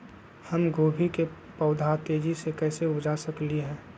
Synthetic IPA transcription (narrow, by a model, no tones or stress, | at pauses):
həmɡoːbʱike | pəʊd̪ʱat̪eːd͡ʒisekɛːseʊbd͡ʒasəkliɦɛ̃ː